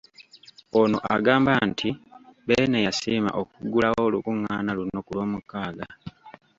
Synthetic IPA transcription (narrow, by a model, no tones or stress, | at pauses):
ono̞ʔaɡaːmbaːntʰibeːnejasiːma̰ʔokuɡulawolukuŋːaːnalunːo̞kulwo̞ːmukːaːɡa